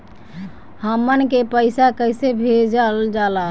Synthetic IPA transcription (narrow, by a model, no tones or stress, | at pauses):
həmənkepəɪsakəjsebʱed͡ʒəld͡ʒala